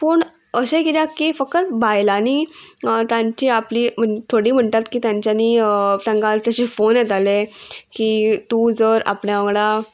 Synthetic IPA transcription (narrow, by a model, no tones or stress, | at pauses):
pəːɳəɕekit̪jakːifəkət̪bajlaniːt̪jãɲt͡ɕiapliːm̤əɳet̪ʰoɽiːm̤əɳʈ̪at̪kiːt̪jãɲt͡ɕjaniːt̪ãŋkalt͡ɕaɕefonjet̪alekiːt̪uːd͡zəɾa̰pɳjaʋəɡɭa